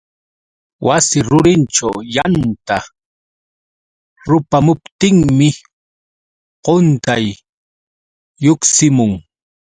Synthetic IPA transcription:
wʔasɪɾʊɾɪnʈ͡ʂawjant̪a | ɾʊpamʊpt̪ɪŋmɪ | qont̪aj | ʊksɪmʊŋ

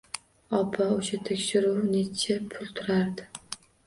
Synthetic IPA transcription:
ɒpʰaʊʃat̪ʰekʲʃɪɾuwnet͡ʃʰapʰʊlˠt̪ʰʊɾaɾd̪ɪ

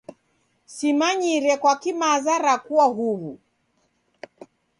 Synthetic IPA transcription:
simaɲiɾɛkwakimazaɾakuwaɦuβu

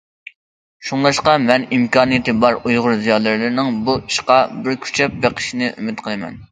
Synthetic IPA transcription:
ʃuŋlˠɑʃqɑmɛnimkʰɑːnɨjit̪ɨbɑɾujʁʊɾzijɑːlˠɨɾlɨɾnɪŋbuiʃqɑbɪɾkʲʰy̥t͡ʃʰɛp̚beqʰə̥ʃinɨʔymɪt̪qʰəlˠɨmɛ̰n

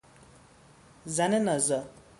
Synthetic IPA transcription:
d͡zanenʌzʌ

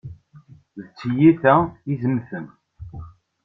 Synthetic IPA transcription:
ðt͡sːjiθæizəmθən

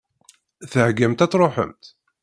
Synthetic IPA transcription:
θəhɡæmt̪æt͡sːɾˤoħə̰mt̪

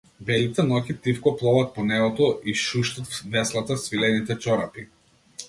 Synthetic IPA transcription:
bɛlit̪ɛnɔkit̪ifkɔplˠɔvat̪̚pɔnɛɡɔt̪ɔʔiʃuʃt̪at̪vɛslˠat̪asvilɛnit̪ɛt͡ʃɔɾapi

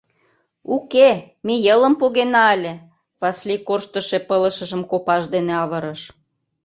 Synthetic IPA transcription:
uke | mejələ̆mpoɣenɑelʲe | βɑslikorʃt̪ə̆ʃe̽pələ̆ʃə̆ʒəmkopɑʃd̪eneɑβəɾəʃ

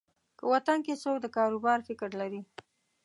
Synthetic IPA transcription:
kəwat̪ankesokd̪əkɑɾubɑɾfɪkɾlaɾi

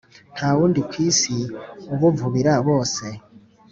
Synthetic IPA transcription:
nʰaːβuːndikwiːsioβuvuβiɾaβoːse

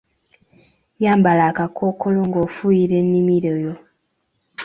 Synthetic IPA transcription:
jaːmbalaːkakʰo̞ːkoloŋɡofujiɾe̞nːimiɾojo

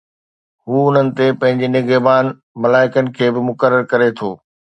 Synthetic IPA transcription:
ɦuːʊn̤ənɪ̆t̪epɐ̃ɦɪ̃ɲd͡ʑinɪɡəbaːn | mɐlaːɪkənɪ̆kʰeːbɪmʊkəɾəɾkɐɾet̪ʰoː

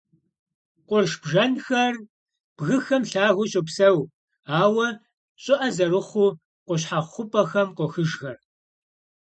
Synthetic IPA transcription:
qʷʊrʃb̥ʒɐnxɐr | b̥ɣɨxɐmɬaːɣʊɕɪpsɐw | aːwɐ | ɕʼɪʔɐzɐrɨχʷʊː | qʷɔɕ̬ħaχʷʊpʼɐxɐmqʷɔxɨʒɣɐr

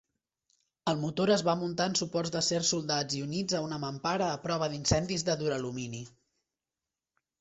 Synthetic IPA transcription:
əlˠmut̪oɾəzβamunt̪aənsupɔrzðəsersulˠd̪ad͡zziunid͡zəunəməmpaɾəːpɾɔβ̞əðinsɛnd̪izðəðuɾəlumini

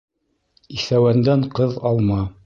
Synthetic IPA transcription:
iθæwænd̪æɴqɤðɑlˠmɑ

